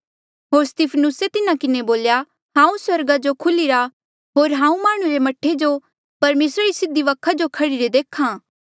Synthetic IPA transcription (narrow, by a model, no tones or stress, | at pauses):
ɦoːɾst̪ɪpʰənʊset̪ɪnakɪneboːlja | ɦãːũswɐɾɡad͡ʒokʰʊliɾa | ɦoːɾɦãːũmaːɽ̃uɾemɐʈʰːed͡ʒo | pɐɾmeːsɾaɾisɪd̪iʋɐkʰːad͡ʒokʰɐɽiɾed̪eːkʰãː